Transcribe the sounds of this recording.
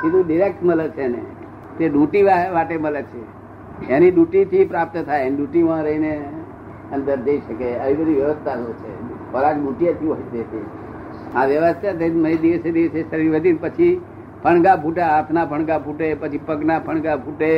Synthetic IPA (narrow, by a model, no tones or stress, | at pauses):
sinũɖɪɾek̚ʈmələt͡ʃʰenḛ | t̪eɗũʈiʋaʋaʈemələt͡ʃʰe | eniɗuʈit̪ʰipɾap̚t̪ət̪ʰaeeniɗuʈimãɾəɦine | ənd̪əɾd͡ʒəiʃəkeəʋibəd̪ʱiʋjəʋəst̪ʰat̪ot͡ʃʰefəɾakɖũʈijət̪ʰiod͡ʒət̪i | ãʋjəʋəst̪ʰat̪eməid̪iʋəsed̪iʋəsest̪əɾiʋəd̪inpət͡ʃʰi | pʰəɳ̃ɡapʰuʈaat̪ʰnapʰəɳ̃ɡapʰuʈepət͡ʃʰipəknapʰəɽ̃ɡapʰuʈe